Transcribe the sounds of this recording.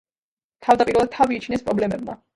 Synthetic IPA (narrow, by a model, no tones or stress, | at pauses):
t̪ʰavd̪apʼiɾɛlˠad̪̚t̪ʰaviːt͡ʃʰnɛspʼɾɔblɛmɛb̚ma̰